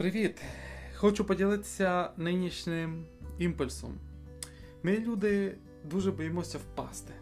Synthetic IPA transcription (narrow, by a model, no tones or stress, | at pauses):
pɾɪʋʲit̪xɔt͡ʃʊpɔdʲilˠɪt̪ɪ̥sʲɐnɪnʲiʃnɪm | impʊlʲsɔ̰m | mɪlʲud̪ɪ | d̪uʒɛbɔjemɔsʲɐwpɑst̪ɪ̥